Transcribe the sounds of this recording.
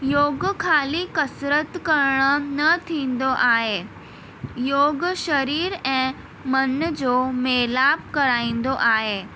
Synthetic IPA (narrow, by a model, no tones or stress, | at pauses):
joːɡkʰaːlikɐsɾət̪kɐɾɽ̃ə̆nɐt̪ʰĩːn̆d̪oʔaːɦeː | joːɡʃɐɾiːɾɛ̃ː | mɐnd͡ʑoːmeːlaːb̚kɐɾaːĩːn̆d̪oʔaːɦeː